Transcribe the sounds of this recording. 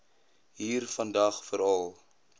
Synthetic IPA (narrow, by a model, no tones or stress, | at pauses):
ɦiːrfɐndɐχfəɾɐlˠ